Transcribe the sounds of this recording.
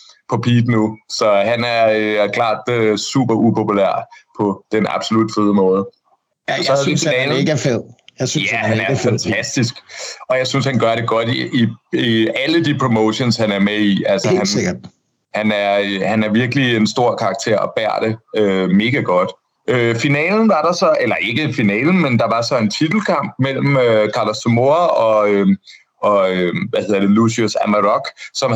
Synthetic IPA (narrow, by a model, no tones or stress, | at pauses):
pʰɒ̽pʰiːd̥nusɒ̽ɦænæɐøkʰlɑ̰̈ːd̥sṵb̥ɐʔupʰo̝pʰulæ̰ɐ̰pʰɒ̽d̥enɑ̈b̥so̝lud̥feð̞ˠəmɔ̽ːð̞ˠə | sɒhenɛːlɡfeð̰ˠjsjæhænæɐfæt͡sʰæsd̥is̬ɡ̥ɒ̽jɑ̈ɪsynshænɡ̥ɶɐɾe̝ɡ̥ɒ̽d̥iiiæləd̥ipʰʁo̝moʊɕonshænæɐmeiælsəhæn | hænæɐhænæɐʋiɐɡ̥əliensd̥o̝ɐ̰kʰɑ̈ɑɡ̥̚t͡sʰe̝̰ɐ̰ɒ̽b̥æɐ̰d̥e̝øme̝ːɡ̥æɡ̥ɒ̽d̥ | øfinɛ̰ːln̩ʋɑ̈ɾ̥ɑ̈sɒ̽elɐʔe̝ɡ̥əenfinɛ̰ːln̩mend̥ɑ̈ʋɑ̈sɒ̽e̝nt͡sʰid̥l̩kʰɑ̈m̰b̥̚mel̰m̩økʰɑlɒsdomo̝ɐɒ̽ø | ɒ̽øʋæhe̝ð̰ˠɐd̥e̝lusiosæmæʁɒɡ̥sɒ̽m